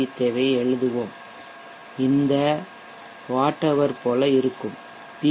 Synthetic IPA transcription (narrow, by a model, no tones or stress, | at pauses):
it̪ːeʋɐɪɛɻɯðɯʋoːm | ɪnd̪ɐ | ʋaːʈːɐʋɐɾpoːlɐɪɾɯkːɯm | pi